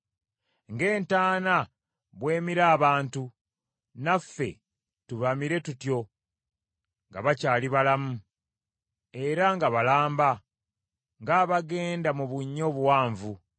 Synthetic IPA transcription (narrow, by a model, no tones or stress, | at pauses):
ŋɡe̞ːntaːna | βwe̞ːmiɾaːβaːntu | nafːe̞̰ | tuβamiɾe̞tutjo̞ | ŋɡa̰βacaːliβalamu | e̞ɾaŋɡaβalaːmba | ŋɡaːβaɡe̞ːndamuβuɲːo̞βuwaːɱvu